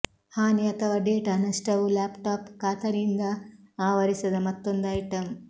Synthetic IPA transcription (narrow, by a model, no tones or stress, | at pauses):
haːniɐt̪ɐʋɐɖeːʈɐnɐsʈɐwulaːpʈaːpkaːt̪ʰɐɾind̪ɐaːʋɐɾisɐd̪ɐmɐt̪ːond̪ɐjiʈɐm